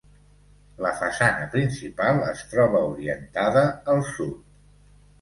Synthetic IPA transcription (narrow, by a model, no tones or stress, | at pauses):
ləfəsanəpɾinsipalˠəst̪ɾɔβ̞əuɾiənt̪aðəːlˠsut̪